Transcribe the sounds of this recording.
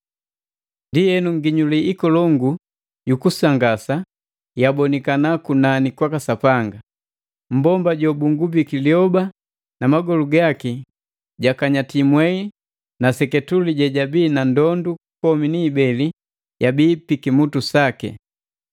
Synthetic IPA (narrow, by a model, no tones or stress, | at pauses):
ndijɛnuŋɡiɲuliʔikɔlɔŋɡu | jukusaŋɡasa | jabɔnikanakunanikwakasapaŋɡa | m̩bɔmbaɟɔbuŋɡubikiliɔba | namaɡɔluɡaki | ɟakaɲatimwɛi | nasɛkɛtuliɟɛɟabiːnandɔndu | kɔminiːbɛli | jabiːpikimutusakɛ̰